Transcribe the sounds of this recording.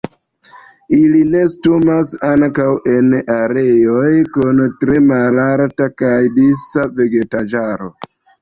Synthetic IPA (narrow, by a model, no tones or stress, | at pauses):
iline̞stumasaŋkawʔe̞naɾe̞jo̞jkuntɾe̞malaɾtakajdisave̞ɡe̞tad͡ʒaɾo̞̰